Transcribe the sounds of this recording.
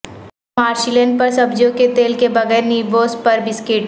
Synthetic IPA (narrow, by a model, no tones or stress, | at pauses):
maːɾʃilẽnɖ̚pɐɾsɐbd͡ʒõket̪eːlkebɐɣɛːɾniːboːspɐɾbɪskeːʈ